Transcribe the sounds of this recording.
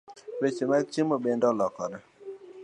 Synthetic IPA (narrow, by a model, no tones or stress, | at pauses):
bet͡ʃemat͡ʃimobendɔlɔkɔdɔ